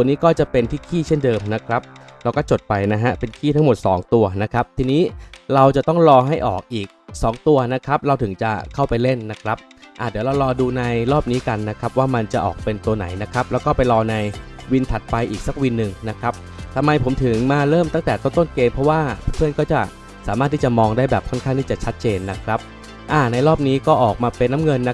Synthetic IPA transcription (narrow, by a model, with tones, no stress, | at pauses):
u˩˧əniː˦˥kɔː˥˩t͡ɕa˨˩pe˧nt̪ʰiː˥˩kʰiː˥˩t͡ɕʰe˥˩ndɤː˧mna˦˥kʰɾa˦˥p̚ɾa˧wkɔː˥˩t͡ɕo˨˩t̪̚pa˧jna˦˥ɦa˦˥pe˧nkʰiː˥˩t̪ʰa˦˥ŋmo˨˩t̪̚sɔ̰ː˩˦ŋt̪u˧ɐna˦˥kʰɾa˦˥p̚t̪ʰiː˧niː˦˥ɾa˧wt͡ɕa˨˩t̪ɔ˥˩ŋɾɔː˧ɦa˥˩jʔɔ̰ː˨˩k̚ʔiː˨˩k̚sɔː˩˦ŋt̪u˧ɐna˦˥kʰɾa˦˥p̚ɾa˧wt̪ʰɯ˩˦ŋt͡ɕa˨˩kʰa˥˩wpa˧jle˥˩nːa˦˥kʰɾa˦˥p̚ʔaː˨˩dɯ˨˩˦əwɾa˧wɾɔː˧duː˧na˧jɾɔː˥˩p̚niː˦˥ka˧nːa˦˥kʰɾa˦˥p̚waː˥˩ma˧nt͡ɕa˨˩ʔɔ̰ː˨˩k̚pe˧nt̪u˧ɐna̰˩˦jna˦˥kʰɾa˦˥p̚lɛː˦˥wkɔː˥˩pa˧jlɔː˧na˧j | wi˧nt̪ʰa˨˩t̪̚pa˧jʔiː˨˩k̚sa˧˦k̚wi˧nːɯ˨˩ŋna˦˥kʰɾa˦˥p̚t̪ʰa˧mːa˧jpʰo˩˦mt̪ʰɯ˩˦ŋmaː˧ɾɤː˥˩mt̪a˥˩t̪ɛː˨˩t̪o˥˩˨nt̪o˥˩nkeː˧mpʰɾɔ˦˥waː˥˩a˥˩pʰɯ˥˩ənkɔː˥˩t͡ɕa˨˩ | saː˩˦maː˥˩t̪ʰːi˥˩t͡ɕa˨˩mɔː˧ŋdaː˥˩jbɛː˨˩p̚kʰɔ˥˩nkʰa˥˩ŋt̪iː˥˩t͡ɕa˨˩t͡ɕʰa˦˥t̪̚t͡ɕeː˧nːa˦˥kʰɾa˦˥p̚ | ʔaː˧˩na˧jɾɔː˥˩p̚niː˦˥kɔː˥˩ʔɔː˨˩k̚maː˧pe˧nːa˦˥mŋɤ˧nːa˦˥